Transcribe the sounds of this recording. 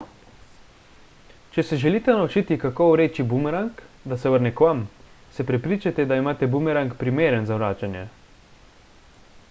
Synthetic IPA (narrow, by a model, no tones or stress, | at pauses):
t͡ʃɛsɛʒɛliːt̪ɛnaut͡ʃiːt̪ikakowɾeːt͡ʃibumɛɾaŋkd̪asɛʋəɾnɛkʋamsɛpɾɛpɾiːt͡ʃat̪ɛd̪aimaːt̪ɛbumɛɾaŋkpɾimeːɾɛnzawɾaːt͡ʃanjɛ̰